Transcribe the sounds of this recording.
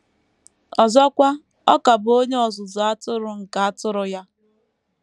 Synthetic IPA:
ɔ˨zɔ˦kʷa˦ | ɔ̰˦ka˨bʊ˨o˦ɲe˦ɔ˨zʊ˨zʊ˨a˦tʊ˦ɾʊ˨ŋ̩˨ka˨a˦tʊ˦ɾʊ˦ja˦

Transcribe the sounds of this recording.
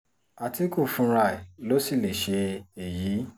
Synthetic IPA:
a˨ti˨˦ku˦˨fũ˧˦ɾa˧˨i˨lo˦si˦˨le˨ʃe˧e˨ji˨˦

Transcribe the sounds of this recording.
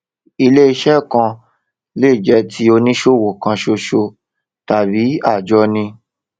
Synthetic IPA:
i˧le˦i˧ʃɛ˦˨kã˧ | leː˦˨d͡ʒɛ˧˦tʰi˦o˧nĩ˦ʃo˦˨wo˨kã˧ʃo˧ʃo˧ | ta˨bi˨˦a˦˨d͡ʒɔ˧˦nĩ˧

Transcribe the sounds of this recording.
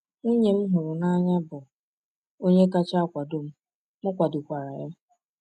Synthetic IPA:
ŋu˦ɲe˨m̩˦ɦʊ˨ɾʊ˨na˦ɲa˦bʊ˨ | o˦ɲe˦ka˦t͡ʃa˦kʷa˨do˨m̩˦ | m̩˦kʷa˨dʊ˨kʷa˨ɾa˨ja˦m̩˦

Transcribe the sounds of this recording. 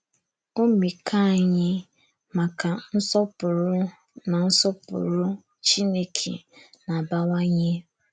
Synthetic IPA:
o˦mi˨kʰa˦˨ɲɪ˦ | ma˨ka˨n̩˦sɔ˦pʊ˨ɾʊ˦ | na˨n̩˦sɔ˦pʊ̰˨ɾʊ˦ | t͡ʃi˦ne˦kʰḛ˨na˨ba˦ŋʷa˦ɲɪ˦

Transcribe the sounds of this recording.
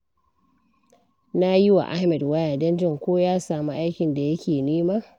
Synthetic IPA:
na˦ji˦wa̰˨ʔa˦hmɛ˨dwa˦jaː˨dɐ˦nd͡ʒɪ˦˨ŋkʷoː˦jaː˦saː˨mu˦ʔa˦jkʲɪ˨nda˨jɐ˦kʲeː˨niː˦maː˦

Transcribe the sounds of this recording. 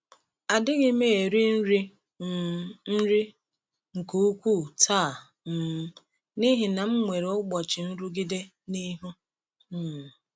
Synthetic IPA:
a˨dɪ˦ɡɪ˦me˦e˨ɾi˦n̩˦ɾi˦˨ | n̩˦ɾi˦ | ŋ̩˨ku˨˦u˦kʷu˦˨tʰa˦˨ | m̩˨˦ | ni˦ɦɪ˨na˨m̩˦ŋʷe˨ɾe˨˦ɡ͡bɔ˨t͡ʃɪ˨n̩˦ɾu˦ɡi˦de˦ | ni˦ɦu˦ | m̩˨

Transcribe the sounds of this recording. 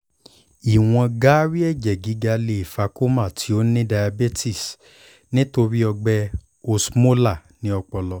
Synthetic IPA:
i˨w̃ɔ̃˧ɡa˦ɾi˦ɛ˦˨d͡ʒɛ˨ɡi˨˦ɡa˧le˧i˨fa˧˦ko˦ma˦˨tʰi˨˦o˦nĩ˦da˧ja˧be˦tʰi˦˨s | nĩ˦to˧ɾi˦ɔ˧ɡ͡bɛ˧ | o˧smo˦la˦˨nĩ˨˦ɔ˧k͡pɔ˧lɔ˧

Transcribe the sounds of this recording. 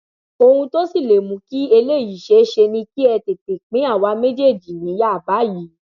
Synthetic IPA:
o˧hũ˧to˦si˦˨le˨mũ˨˧˦ki˦e˧le˦˨ji˨ʃe˧˦ʃe˧nĩ˧ki˦ɛ˧te˨k͡pe˨k͡pĩ˨˦a˦˨wa˨˧˦me˦di˦e˦˨d͡ʒi˨nĩ˨˦ja˦˨ba˨˦ji˨˦

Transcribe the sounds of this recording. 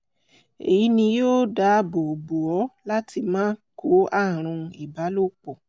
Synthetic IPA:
e˨ji˨˦nĩ˧joː˦da˨˦bo˨bu˨ɔ˨˦la˦ti˧mãː˦kʰo˨˦a˦˨ɾ̃ũ˧i˨ba˨˦lo˦k͡pɔ˨

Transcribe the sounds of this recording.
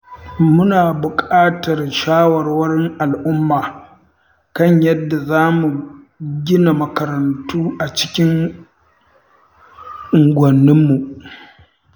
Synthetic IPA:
mʊ˦naː˨bʊ˨kʼaː˦tɐ˨rʃaː˦wɐ˨rwɐ˦ɽɪ˦ŋʔa˨lʔʊ˦mːaː˨ | kɐ˦ɲjɐ˦dːa˨zaː˦mu˨ | ɡʲɪ˦na˨mɐ˨kɐ˨ɾɐ˨ntuː˦ʔa˨t͡ʃɪ̥˦kʲɪ˦ŋ | ʔɪ˨ŋɡʷɐ˨nːɪ˦mːu˨ʔ

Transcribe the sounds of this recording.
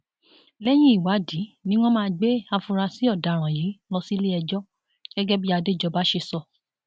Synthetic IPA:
lɛ˦j̃ĩ˦i˨wa˨˦di˨˦nĩ˦w̃ɔ̃˦mãː˦˧ɡ͡be˦a˧fũ˧ɾa˧si˨˦ɔ˦˨da˨˦˨ɾ̃ã˨ji˨˦lɔ˧si˦le˦ɛ˧d͡ʒɔ˦ | ɡ̥ɛ˦ɡɛ˦bi˦a˧de˦˨d͡ʒɔ˧ba˦ʃe˧sɔ˦˧˨

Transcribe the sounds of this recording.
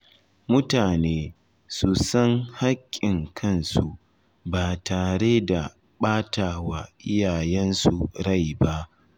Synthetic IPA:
mʊ˦taː˨neː˦ | su˨sɐ˦ŋha˦kʲʼːɪ˨ŋkʰɐ˦˨nsu˨ | baː˨taː˨ɽeː˦da˨ | ɓaː˦taː˨wa˨ʔɪ˦jaː˨jɛ˦nsu˨ɽa˦˨jba˦ʔ

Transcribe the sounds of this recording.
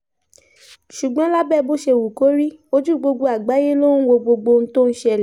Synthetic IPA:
ʃu˨ɡ͡bɔ̃˦la˦bɛ˦˨˧bo˦˨ʃe˧˨wu˨ko˨˦ɾi˦o˦d͡ʒu˦˨ɡ͡bo˧ɡ͡bo˧a˨ɡ͡ba˨˦je˦lo˦nũ˦wo˧ɡ͡bo˧ɡ͡bo˧n̩˦to˦n̩˦ʃe˦ɛ˨lɛ˨˦

